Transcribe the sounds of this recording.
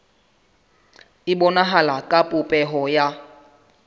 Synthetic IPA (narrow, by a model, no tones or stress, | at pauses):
ibɔnaɦalakʼapʼupʼɛɦɔja